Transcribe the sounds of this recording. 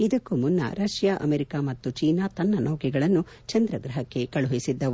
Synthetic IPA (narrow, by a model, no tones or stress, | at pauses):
id̪ɐkːumunːɐ̰ɾɐʃjaːʔɐ̰meɾikamɐt̪ːut͡ʃiːnaːt̪ɐnːɐnoːɡiɡɐɭɐnːu | t͡ʃɐnd̪ɾɐɡɾɐɦɐkːe̞kɐɭuɦisid̪ːɐu